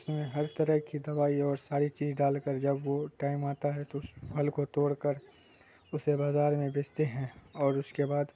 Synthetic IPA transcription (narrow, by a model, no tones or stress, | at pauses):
ʊsmẽɦɐɾt̪ɐɾəɦkid̪ɐʋaːiɔːɾsaːɾit͡ʃiːzɖaːlkəɾd͡ʒɐbwoʈaːɪmaːt̪aɦɛt̪oʊsbʱɐlkot̪oːɽkəɾ | ʊsebaːzaːɾmẽbeːt͡ʃt̪eɦɛ̃ɔːɾʊskebaːd̪